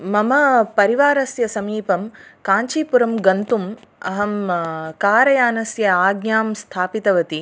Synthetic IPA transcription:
mɐmɐpɐɾiʋaːɾɐsjɐsɐmiːpɐmkaːɲt͡ʃiːpuɾɐmɡɐnt̪umɐ̰ɦɐmkaːɾɐjaːnɐsjɐaːɡɲaːmst̪ʰaːpit̪ɐʋɐt̪i

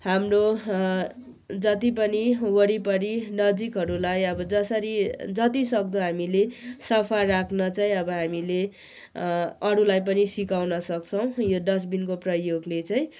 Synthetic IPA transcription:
ɦamro | d͡zʌt̪ip̬ʌniwʌɽipʌɾinʌd͡zikɦʌɾulajʌbʌd͡zʌsʌɾid͡zʌt̪isʌk̚d̪ʌɦamilesʌpʰarakʰnʌt͡saĩʌbʌɦamile | ʌɾulajp̬ʌnisikawnʌsʌkt͡sʰʌw̃jod̪ʌs̬binkoprʌjoɡlet͡saĩ

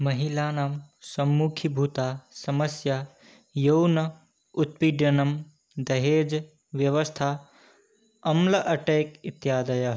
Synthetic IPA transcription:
mɐɦilaːnaːm | sɐmːuːkʰibʱut̪aːsɐmɐsjaː | jownɐ | ut̪̚piɖjɐnɐm | d̪ɐɦeːd͡ʒ | ʋjɐʋɐst̪ʰaː | ɐmlɐʔɐʈeːkit̪jaːd̪ɐjɐɦ

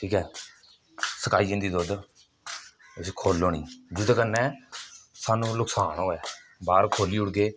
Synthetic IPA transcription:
ʈʰiːkɛː | səkaːiːd͡ʒɪ̃nd̪iːd̪oːd̪ | ʊsiːkʰoːlːoːniːd͡ʒʊd̪kənːɛː | saːnũːlʊksaːnoːɛː | baːɾkʰoːliːʊɽɡeː

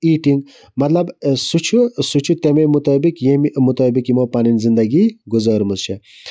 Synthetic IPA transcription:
iʈiŋɡ | mɐt̪lɐbsut͡ʃʰusut͡ʃʰut̪ememut̪ɔːbikjemmut̪ɔːbikimɔpaninzind̪ɐɡiɡuzɔːɾmuzt͡ʃʰe

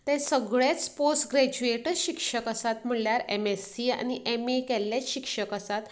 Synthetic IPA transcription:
t̪ɛ̃səɡɭjat͡sposʈɡɾæd͡ʑueʈəɾɕikʂəkəsat̪m̤əɭljaɾḛmesia̰ñiʔemekɛlːjat͡sɕikʂəkəsat̪

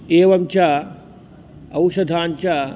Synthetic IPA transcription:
eːʋɐmt͡ʃa | ɐwʃɐd̪ʱaːnt͡ɕa

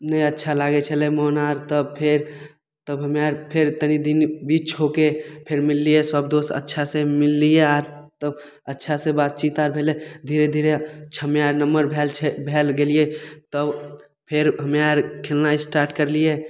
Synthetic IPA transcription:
nəĩətːʃʰalaːɡet͡ʃʰəlemɔɦnaːɾt̪əb̚pʰeɾ | t̪əbɦəmaɾpʰeɾt̪ənid̪inbiːt͡ʃɦokepʰeɾmɪlːijesəb̚d̪osə̰tːʃʰasemɪlːieaːɾ | t̪əb | ətːʃʰasebaːt̪̚t͡ʃit̪aːɾbʱeled̪ʱiːɾed̪ʱiːɾet͡ʃʰəmeaɾnəmbəɾbʱeːlt͡ʃʰebʱelɡeliet̪əb | pʰeɾɦəmeaɾkʰelnaisʈaːɾʈkəɾlije

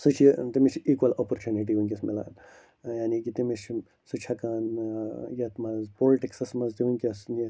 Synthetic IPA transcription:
sut͡ʃʰit̪imit͡ʃʰiːkwɐloːpoɾt͡ʃuːniʈ̬iũŋʲkʲismila̰ːn | jaːnikit̪imit͡ʃʰ | sut͡ʃʰɐkaːnjɐt̪mɐzpoːliʈiksɐsmɐzt̪iuŋkʲisni

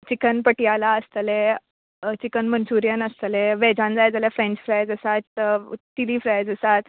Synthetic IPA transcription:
t͡ɕikənpəʈijalaəst̪əle | t͡ɕikənmənsuɾjənəst̪leʋɛd͡ʑãnd͡zajd͡zaljafɾẽnt͡ɕfɾajd͡zəsat̪ː | ilifɾajd͡zəsat̪

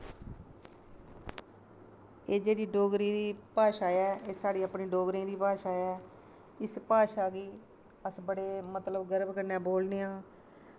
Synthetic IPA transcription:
eːd͡ʒeːɽiːɖoːɡɾĩːd̪iːpaːʃaːɛːʔeːsaːɽiːapniːɖoːɡɾĩːd̪iːpaːʃaːɛː | ɪspaːʃaːɡiː | əsbəɽeːmət̪ləbɡəɾəbkəɾnɛ̃ːboːlneːãː

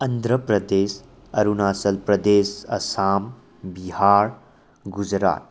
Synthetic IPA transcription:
ɐnd̪ʱɾəpɾɐd̪eːs | ɐɾunaːsɐlpɾɐd̪eːsɐ̰saːm | bihaːɾ | ɡud͡ʒɾa̰ːt̪̚

